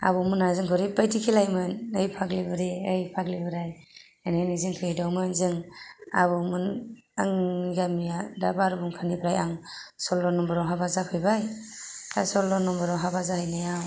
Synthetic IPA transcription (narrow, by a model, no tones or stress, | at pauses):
a̰bɔmɯnazɯŋkʰɔɾipajtʰikʰilajmɯnɯjpʰaklibɯɾiəjpʰaklibɯɾaj | aneniziŋkʰɯjdawmɯnzɯŋa̰βɯmɯn | a̰ŋɡamijadabaɾubuŋkʰanibʰɾajaŋsɔlɔnːɔmbɯɾɔŋɦabazapʰɯjbajtʰasɔlɔnːɔmbɔɾɔŋɦabazahɯjnajaw